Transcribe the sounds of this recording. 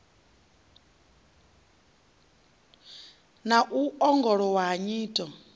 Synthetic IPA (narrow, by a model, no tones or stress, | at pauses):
naʔuɔŋɡɔɺɔwaɦaɲiːtʼɔ